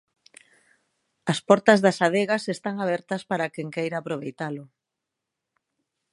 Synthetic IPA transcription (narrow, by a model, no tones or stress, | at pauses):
ɐspɔɾt̪ɐzðɐsaðeɣɐsest̪aŋaβ̞ɛɾt̪ɐspaɾakeŋkejɾaːpɾoβ̞ejt̪alʊ